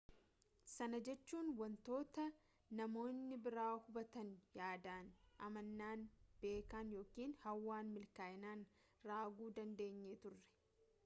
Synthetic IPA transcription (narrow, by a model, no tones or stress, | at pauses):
sɐnɐd͡ʒɛt͡ʃːuːnwɐnt̪o̞ːt̪ɐ | nɐmo̞ːnːɪbɪɾaːhʊbɐt̪ɐnjaːd̪aːnʔɐmɐnːaːnb̥e̞ːkaːnjo̞ːkiːnhɐwːaːnmɪlkaːɪnaːn | raːɡuːd̪ɐnd̪e̞ːɲːeːt̪ʊrːɛ̥